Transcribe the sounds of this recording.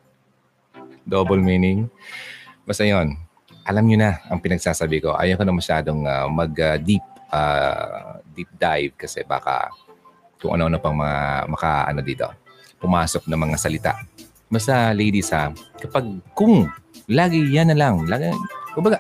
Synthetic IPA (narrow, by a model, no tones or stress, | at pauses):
d̪oːbolmiːnɪŋ | mɐsɐjon | ʔɐlamɲonɐʔɐŋpɪnɐɡ̚saːsabɪko̞̰ʔa̰ːjɐkɐnɐmɐʃaːd̪o̞ŋamɐɡɐd̪ip̚ʔaː | d̪ip̚d̪ajvkɐsɛ̰ba̰ːkɐ̰ | kʊ̰ŋʔɐ̰noʔnopɐŋmɐŋa̰mɐka̰ʔɐ̰nod̪iːt̪o̞̰ | pʊmaːsok̚nɐŋmɐŋasɐlɪt̪a̰ʔ | mɐsɐlɛjd̪isɐkɐpaɡ̚kʊŋlaːɡɪjanːɐlaŋlaːɡɪkʊmbɐɡa